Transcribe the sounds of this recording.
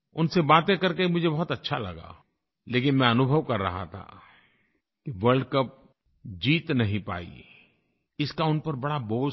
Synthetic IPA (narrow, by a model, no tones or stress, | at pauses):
ʊnsebaːt̪ẽkɐɾkemʊd͡ʒʱebɔɦʊt̪ɐtːʃʰalɐ̰ɡa̰ː | leːkɪ̃nmɛ̃ɐnʊbʱəʋkɐɾːɐ̰ɦa̰t̪ʰa̰ | kiʋəɾɖkəp̚ | d͡ʒiːt̪nɐɦĩpa̰ːḭ | ɪskaʊnpɐɾbɐɽaboː